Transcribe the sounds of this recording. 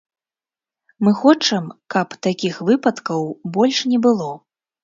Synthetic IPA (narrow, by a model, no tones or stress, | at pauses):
mɨxɔt͡ʂɐmkɐpt̪akʲixvɨpɐt̪kɐwbɔlʲʂnʲɛbɨlˠɔ